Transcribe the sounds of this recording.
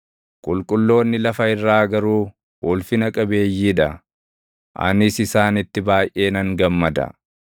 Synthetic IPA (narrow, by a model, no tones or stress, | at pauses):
kʼʊlkʼʊlːo̞ːnːɪlɐfɐɪrːaːɡɐɾuː | ʔʊlfɪnɐkʼɐbe̞ːjːiːᶑɐ | ʔɐ̰nɪsɪsaːnɪt̪ːɪbaːjʔe̞ːnɐŋɡɐmːɐd̪ɐ̰